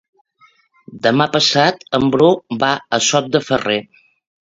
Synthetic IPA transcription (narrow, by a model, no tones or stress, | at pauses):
d̪əmapəsat̪əmbɾobaəsɔt̪̚d̪əfəre